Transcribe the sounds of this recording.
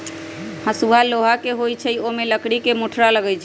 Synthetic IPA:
hãsubʱaloɦakeɦojt͡ʃʰɛiomeləkɽikemoʈʰɾaləɡəjt͡ʃʰ

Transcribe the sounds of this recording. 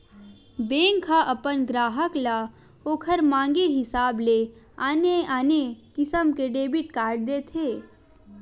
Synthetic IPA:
bẽːŋkʰːaʔɐpənɡɾaːɦəkla | oːkʰəɾmãːŋɡeɦɪsaːble | aːneaːnekɪsəmkeɖeːbiʈkaːɾɖ̚d̪eːt̪ʰeː

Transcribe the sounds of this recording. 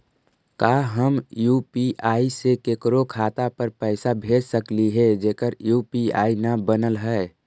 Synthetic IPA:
kaɦəmjuːpiʔaːisekeːkɾokʰaːt̪apəɾpɛɪsabʱeːd͡ʒsəkliɦɛd͡ʒeːkəɾjupia̰ːinabənəlɦɛe

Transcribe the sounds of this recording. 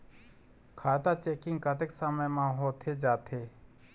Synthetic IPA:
kʰaːt̪at͡ʃeːkɪ̃ŋɡkat̪eksaməjmãɦoːt̪ʰed͡ʒaːt̪ʰeː

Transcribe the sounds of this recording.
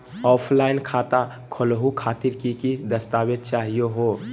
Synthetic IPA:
ɔːpʰlaːɪnkʰaːt̪a | kʰəlɦukʰaːt̪iɾkikid̪əst̪aːbed̪̚t͡ʃaːɦijoɦo

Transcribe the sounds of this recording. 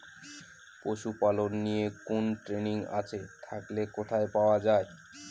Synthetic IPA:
poʃupalonːijekonʈɾeniŋa̰t͡ɕʰet̪ʰaklekot̪ʰaepaoad͡ʑae

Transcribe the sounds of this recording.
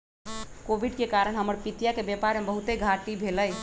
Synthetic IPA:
kobʱiɖkekaɾəɳɦəməɾpit̪jakebepaɾmebəɦut̪eɡʱaʈibʱeləj

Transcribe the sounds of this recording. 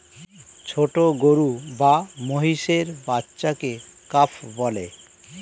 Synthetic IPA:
t͡ɕʰoʈoɡoɾubamoɦiʃeɾbatːɕakekapʰbɔle

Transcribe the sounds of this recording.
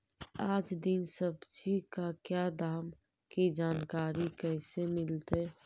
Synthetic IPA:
aːd͡ʒd̪ɪnsəbd͡ʒikakjad̪aːm | kid͡ʒaːnkaːɾikɛːsemɪlt̪e

